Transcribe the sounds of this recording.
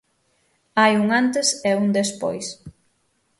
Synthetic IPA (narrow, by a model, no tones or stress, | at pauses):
ajuŋant̪ɪsɛuŋd̪espo̰js